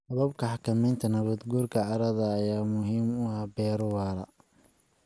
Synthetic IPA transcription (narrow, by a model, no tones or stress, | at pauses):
sɐβɐbkʰɐħɑkʰɐmɛjnt̪ʰɐnɐβɐd̪ɡuːrkʰɐʕɑɾɐðɐːjaːmʊɦiːmʊɐbɛːɾʊwɑːɾɐ